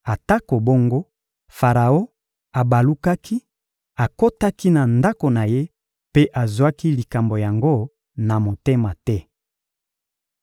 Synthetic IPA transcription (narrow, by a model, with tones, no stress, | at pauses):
a˨ta˦ko˨bo˦ŋɡo˦ | fa˨ʁa˨o˦ | a˨ba˨lu˦ka˦kʰi˦ | a˨ko˦ta˦ki˦na˨nda˦ko˨na˨je˦ | pe˦ʔa˨zwa˦ki˦li˨ka˨mbo˨ja˨ŋɡo˦ | na˨mo˨te˦ma˨tɛ˦